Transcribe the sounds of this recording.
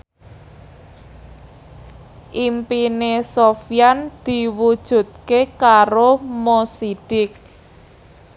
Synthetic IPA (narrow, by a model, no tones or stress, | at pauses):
ʔimpinesofijand̪̥i̤wud̥ʒ̥ṳt̪̚kekaɾomosiɖ̥ɪk̚